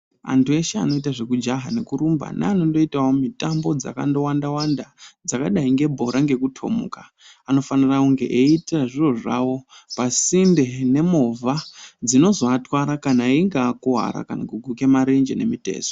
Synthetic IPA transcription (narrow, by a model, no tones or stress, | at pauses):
a̰ntue̞ʃea̰no̞itaʐe̞kud͡ʒaɦanekuɾumba̰na̰ːno̞ndo̞itawomitambo̞d͡za̰kando̞wandawandad͡zakaɗaiŋɡe̞bʱo̞ɾʔaŋɡe̞kutʰo̞̰mṵkaː | no̞fanirauŋɡe̞̰ʔeitiraʐiroʐawo̞pasinde̞ne̞mo̞vad͡zino̞zoatwaɾakanaeiŋɡaːkuɦa̰ɾa̰kanakuɡʱuke̞maɾend͡ʒḛne̞̰mite̞̰ːso̥